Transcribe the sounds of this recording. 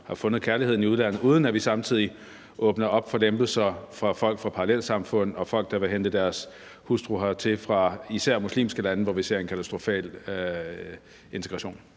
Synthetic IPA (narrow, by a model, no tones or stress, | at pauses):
hɑ̈fɔ̽nəð̞̩ˠkʰæɐlihe̝ð̰ˠn̩iuð̞ˠlæn̰ð̩ˠuːð̞ˠnæʋisɑ̈mt͡sʰið̞̰ˠi | ʔɔ̽ːb̥nɐʔɒ̽b̥fɒ̽lemb̥l̩ˠsɐfʁɑ̈fɒ̽l̰ɡ̥fʁɑ̈pʰɑ̈ɑlel̰sɑ̈mfɔ̽n̰̩ˠɒ̽fɒ̽l̰ɡ̥̚d̥ɑ̈ʋe̝ɦend̥əd̥æɐs | husd̥ʁuɦɑt͡sʰe̝fʁɑ̈isæɐ̰muslḭːmsɡ̥əlænəʋɒʋise̝̰ɐ̰e̝nkʰæt͡sʰæsd̥ʁo̝fɛ̰ːl | e̝nt͡sʰe̝ɡʁɑɕo̝̰ːn